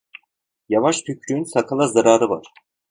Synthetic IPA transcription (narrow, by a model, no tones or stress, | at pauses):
javaʃt̪ʰycʰɾyːnsakʰalˠazaɾaːɾɯva̰ɾ̥